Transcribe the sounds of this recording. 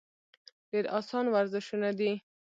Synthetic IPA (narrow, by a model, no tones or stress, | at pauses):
deɾɑsɑnwaɾzɪʃunad̪i